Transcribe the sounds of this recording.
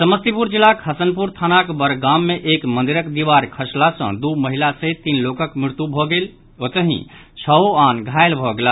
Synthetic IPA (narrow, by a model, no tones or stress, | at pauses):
səməst̪ipuɾd͡ʒilːakɦəsənpuɾt̪ʰanakbəɾɡamːeʔekmənd̪iɾəkd̪iʋaɾkʰəslasə̰̃d̪uməɦilaset̪inlokəkmɾɪɾt̪jubʱɔɡel | ot̪əɦḭ̃t͡ʃʰəoanɡʱaelbʱɔɡela